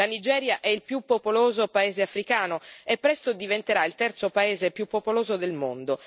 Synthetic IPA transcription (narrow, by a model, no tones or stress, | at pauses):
lanid͡ʒɛːɾjaʔɛilpjupːopoloːzopaeːzeafɾikaːnoepːɾɛst̪od̪ivent̪eɾailt̪ɛrt̪sopaeːzepjupːopoloːzod̪elmond̪o